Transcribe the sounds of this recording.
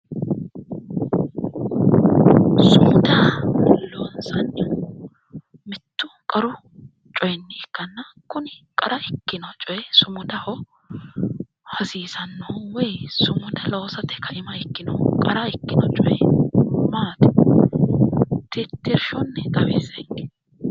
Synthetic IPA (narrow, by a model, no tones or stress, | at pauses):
sʊmʊd̪ɐloːnsɐn | mɪt̪ːʊkʼɐɾʊ | t͡ʃʼɔjnːɪɪkːɐnːɐkʊnɪkʼɐɾɐɪkːɪnɐt͡ʃʼɔjɛsʊmʊd̪ɐhɔ | hɐsiːsɐnːɔwɛjsʊmʊd̪ɐloːsɐt̪ːɛkɐʔɪmɐɪkːɪnɔ̰kʼɐɾɐɪkːɪnɐt͡ʃʼɔjɛmaːt̪ɪ | t̪ɪt̪ːɪɾʃɔnːɛt̪ʼɐbḛːsɐ̥